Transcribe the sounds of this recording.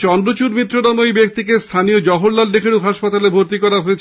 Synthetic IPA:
t͡ɕɔnɖot͡ɕuɾmit̪ːɾonamojbek̚t̪ikest̪ʰaniod͡ʑɔɦoɽlalɖekʰeɽukɦaʃpat̪alebʱoɾt̪ikɔɾaɦoet͡ɕʰ

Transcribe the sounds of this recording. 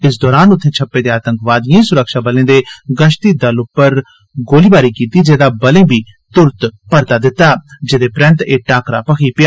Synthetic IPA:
ɪsd̪ɔːɾaːnʊt̪ʰːẽːt͡ʃʰəpːeːd̪eːaːt̪ə̃ŋkʋaːd̪ɪjãːsʊɾəkʃaːbəlẽːd̪eːɡəʃt̪iːd̪əlʊpːəɾ | ɡoːliːbaːɾiːkiːt̪iːd͡ʒeːd̪aːbəlẽːbiː | t̪ʊɾt̪pəɾt̪aːd̪ɪt̪ːaːd͡ʒeːd̪eːpɾə̃nt̪eːʈaːkɾa̰ːpəkʰiːpɪjaː

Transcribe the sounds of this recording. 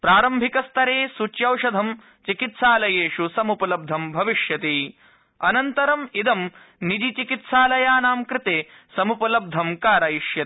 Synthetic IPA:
pɾaːɾɐmbʱikɐst̪ʰɐɾeːsut͡ʃjɐwʂɐd̪ʱɐm | t͡ʃikit̪saːlɐjeːʂusɐmupɐlɐb̚d̪ʱɐmbʱɐʋiʃjɐt̪i | ɐnɐnt̪ɐɾɐmid̪ɐm | nid͡ʒit͡ʃikit̪saːlɐjaːnaːmkɾɪt̪eː | sɐmupɐlɐb̚d̪ʱɐmkaːɾajiʃjɐt̪

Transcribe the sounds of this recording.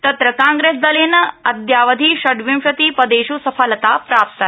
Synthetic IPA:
t̪ɐt̪ɾɐkãŋɡɾeːs̬d̪ɐlenɐɐd̪jaːʋɐd̪ʱiːʃɐɖʋimʂɐt̪iːpɐd̪eːʃusɐfʰɐlɐt̪aːpɾaːp̚t̪ɐ

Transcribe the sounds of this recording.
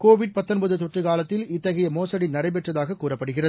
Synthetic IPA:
koːʋɪɽ̚pɐt̪ːɔnbɐðɯt̪ɔʈrɯkaːlɐt̪ːɪlɪt̪ːɐɣɐjɐmoːsɐɽinɐɽɐɪpɛʈrɐðaːɣɐkːuːrɐpːɐɽɯɣɪrɐðɯ

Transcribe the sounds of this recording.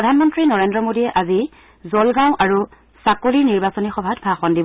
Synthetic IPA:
ɹɔdʱanmɔntɹinɔɹendɹɔmodiɛʔazi | zɔlɡãw̃ʔaɹu | sakoliɹniɹbasɔnixɔbʱatbʱaxɔndib

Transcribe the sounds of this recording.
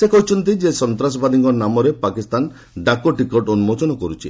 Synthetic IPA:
sekɔɦut͡ʃʰɔnt̪id͡ʒesɔnt̪ɾas̬ɔbad̪iŋkɔnamɔɾepakist̪an | ɖakoʈikɔʈonumɔt͡ʃɔnɔkɔɾut͡ʃʰi

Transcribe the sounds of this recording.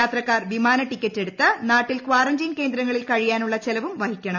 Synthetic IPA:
aːt̪rɐkːaːrʋimaːnɐʈikʲːɐtːe̞ɽut̪ːɨnaːʈːilkʋaːrɐnd͡ʑinke̞ːnd̪ɾɐŋːɐɭilkɐɻijaːnuɭːɐt͡ɕelɐʋumʋɐhikʲːɐɳɐ

